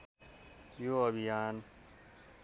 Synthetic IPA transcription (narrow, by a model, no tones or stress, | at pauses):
joɐbijaːn